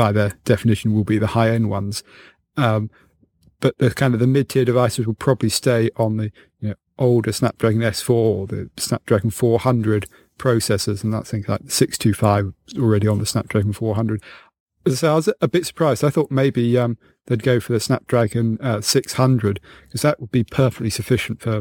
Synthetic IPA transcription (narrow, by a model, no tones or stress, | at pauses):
b̥aɪðəd̥ɛfənɪʃə̃n̩wɪlˠbiðəhaɪɛ̃nwʌ̰̃nz̥ | ʌ̃m | b̥ʌʔ̚ðəkʰãɪ̃ndəvðəmɪd̚tʰɪəɾɨvaɪsəzwəd̚pʰɹ̥ɒbəblisteɪʔə̃nði | jənoʊ | ʔoʊlˠdəsnæ̰p̚d̥ɹ̥aɡɪ̃nɛsfɔːəðə̰snæ̰p̚d̥ɹ̥aɡə̃n̩fɔːɹhʌ̃ndɹɨd | pʰɹ̥oʊsɛsɪz̃n̩ðə̰tsθɪ̃ŋkla̰ɪk̚ə̥sɪkstʰʉfaɪvl̩ˠɹɛɾiə̃nðəsnæ̰p̚d̥ɹ̥æɡə̃n̩fɔɹhʌ̃ndɹɨd̥ | əzaɪseɪaɪwʌzəbɪtsə̥pʰɹ̥aɪzdaɪθɔˑʔ̚meɪbiʌ̃m | ðeɪd̚ɡoʊfəðɨsnæp̚d̥ɹ̥æɡɨ̃nʌsɪkshʌ̃ndɹɨd̥kʰʌzðəʔwəd̚bipʰɜˑ˞fɛk̚tˡlisəfɪʃn̩tfə˞